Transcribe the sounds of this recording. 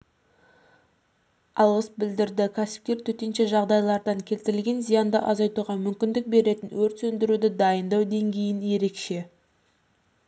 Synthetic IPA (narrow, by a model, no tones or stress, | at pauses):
ɑlˠʁəsbɪld̪ɪɾd̪ɪkʲʰæsɪ̥p̚kʲe̞ɾt̪ʰɵt̪e̞nʃe̞ʒɑʁd̪ɑjlˠɑɾd̪ɑŋkʲʰe̞lt̪ɪɾɪlɡʲe̞nzijɑnd̪ɑ̰ʔɑzɑjt̪uʁɑmʏmkʲɪnd̪ɪk̚be̞ɾe̞t̪ɪnwɵɾt̪sɵnd̪ɪɾud̪ɪd̪ɑjənd̪ɑwd̪e̞ŋɡʲe̞jɪnje̞ɾe̞kʃe̞